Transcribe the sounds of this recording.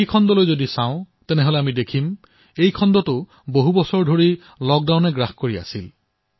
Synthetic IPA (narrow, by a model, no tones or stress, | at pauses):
jkʰɔndɔlojzodisãʊ̃ | tɛnɛɦolɛamidekʰim | ejkʰɔndɔtʊ | boɦubɔsɔɹdʱoɹi | lɔk̚dawnɛɡɹaxkoɹia̰sil